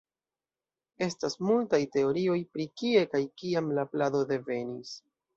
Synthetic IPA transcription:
e̞stasmultajte̞o̞ɾio̞jpɾikie̞kajkiamlaplado̞de̞ve̞nis

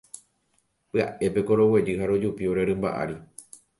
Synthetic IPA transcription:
pɨa̰ʔe̞pe̞ko̞ɾo̞we̞d͡ʒɨɦaɾo̞d͡ʒupioɾe̞ɾɨ̃mba̰ʔa̰ɾi

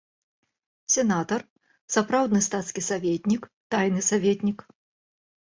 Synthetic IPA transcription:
sʲɛnat̪ɐr | sapɾawd̪nɨst̪at̪skʲisavʲet̪ʲnʲikt̪ajnɨsavʲet̪ʲnʲik

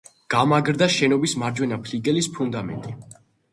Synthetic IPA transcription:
ɡ̥amaɡɾd̪aʃɛnɔbismaɾd͡ʒwɛnapʰliɡɛlispʰund̪amɛ̰nt̪ʼi

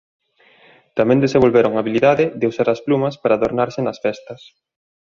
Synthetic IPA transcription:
t̪amɛ̃nd̪esẽmbolβeɾoŋaβiliðaðɪðeusaɾɐsplumɐspaɾaːðoɾnaɾsɪnɐsfɛst̪ɐs

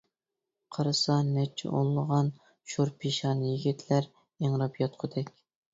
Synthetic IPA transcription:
qʰɑɾɨsɑnɛt͡ʃʰːɛ̰ʔo̰nlˠəʁɑn | ʃoɾpʰiʃɑːnjiɡʲit̪ʰlæɾ | eŋɾɑpjɑt̪qʰʊd̪ɛkʲ

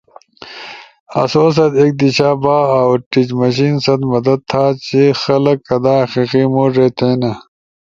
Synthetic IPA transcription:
ɐ̰soːs̬ɐt̪eːk̚d̪iɕaːbaːawʈid͡ʑmɐɕ̬iːnsɐt̪mɐd̪ɐd̪̚t̪ʰːaːt͡ɕixɐlɐkːɐd̪aːɐxiqiːmoːɾet̪ʰẽːnɐ

